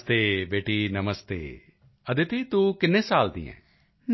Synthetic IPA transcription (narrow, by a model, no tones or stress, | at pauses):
t̪eːbeːʈiːnəməst̪ḛː | əd̪ɪt̪iːt̪ũːkɪnːẽːsaːld̪ḭːɛ̰̃ː